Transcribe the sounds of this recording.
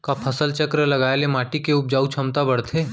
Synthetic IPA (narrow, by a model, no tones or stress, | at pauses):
kapʰɐsəlt͡ʃəkɾəlɐɡaːjelemaːʈikeʊp̚d͡ʒaːut͡ʃʰɐmt̪abɐɽt̪ʰeː